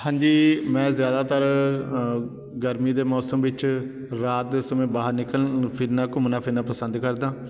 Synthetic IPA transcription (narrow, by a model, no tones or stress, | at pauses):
hãːɲd͡ʒiːmɛ̃ːzjaːd̪aːt̪əɾ | ɡəɾmiːd̪eːmɔːsəmʋɪt͡ʃ | ɾaːt̪̚eːsəmẽːbaːɦəɾnɪkəlpʰɪɾnãːkʊmnãːpʰɪɾnãːpəsənd̪kəɾd̪ãː